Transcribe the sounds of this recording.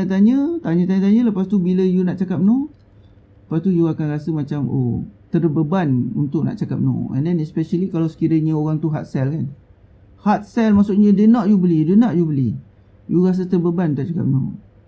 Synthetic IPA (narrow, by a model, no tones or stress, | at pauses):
t̪at̪̬aɲə̃t̪aɲə̃t̪aɲət̪aɲə̃ləpast̪ubiləjunaʔt͡ʃakap̚no | ləpast̪ujuakanɾasəmat͡ʃamo̰t̪ərbəbanṵnt̪ʊʔ̚na̰ʔt͡ʃakap̚nõ̰ɛ̰̃ndɛnɛspɛʃəlikalawsə̥kiɾəɲəoɣaŋt̪uɦa̰t̪̚sɛlkan | hat̪̚sɛlmaʔsʊʔɲə̃dənaʔjubəlidənaʔjubəli | juɾas̬ət̪ərbəbant̪aʔt͡ʃaka̰p̚no̰